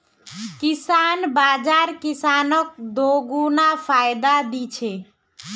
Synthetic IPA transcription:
kisanbad͡ʒaɾkisanək̚d̪oɡunapʰajd̪ad̪it͡ʃʰɛ

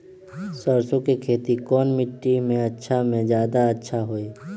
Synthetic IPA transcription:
səɾsõkekʰeːt̪ikɔːnmɪʈːimẽɐtːʃʰamẽzjaːd̪aɐtːʃʰaɦoːeː

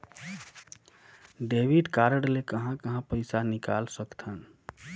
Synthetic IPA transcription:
ɖebiɖkaɾəɽlekəɦãkəɦãpəjsanikalsəkt̪ʰən

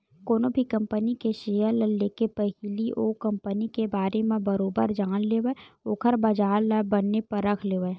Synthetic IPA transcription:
koːnõbʱikɐ̃mpənikeʃeːjəɾləlleːkepəɦiliʔoːkɐ̃mpənikebaːɾemẽbɐɾoːbəɾd͡ʒaːnleːʋəoːkʰəɾbɐd͡ʒaːɾləbɐnːepɐɾːɐkʰleːʋə

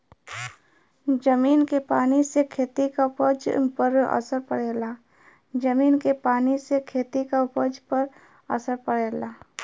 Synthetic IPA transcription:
d͡ʒəmiːnkepaːnisekʰeːt̪ikapəd͡ʒpəɾə̰səɾpəɽeːlaː | d͡ʒəmiːnkepaːnisekʰeːt̪ikapəd͡ʒpəɾ | ə̰səɾpəɽeːlaː

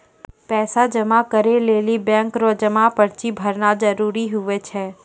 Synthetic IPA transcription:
pɛːsad͡ʒɐmakəɾeleːlibɛ̃ːŋkɾoːd͡ʒəmapɐɾt͡ʃibʱɐɾnad͡ʒəɾuːɾiɦʊʋet͡ʃʰɛː

